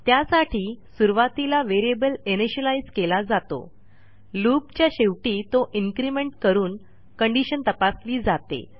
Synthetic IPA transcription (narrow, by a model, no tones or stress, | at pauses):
t̪jasaʈʰiːsuɾʋat̪ilaʋeɾiebəleneɕəlaid͡zkelad͡zat̪o̰ | luːpt͡ɕjaɕeʋʈiːt̪oʔiŋkɾimeɳʈ̚kəɾuːn | kəɳɖiɕənt̪əpasliːd͡zat̪ḛ